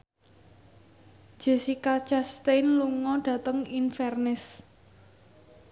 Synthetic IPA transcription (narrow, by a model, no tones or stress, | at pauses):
ʒ̥e̤sikat͡ʃast̪ejnluŋɔɖ̥ä̤t̪əŋinfɛrnɪs